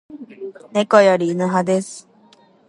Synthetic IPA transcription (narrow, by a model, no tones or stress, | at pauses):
nekojoɾʲiːnɯɦad̪esɨ̥